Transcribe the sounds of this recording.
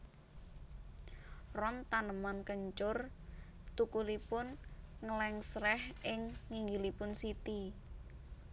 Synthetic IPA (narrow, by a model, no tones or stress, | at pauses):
rɔnt̪anəmankəɲt͡ʃʊr | t̪ukulipʊnŋəlɛŋsrɛhɪŋːiŋɡilipʊnsit̪i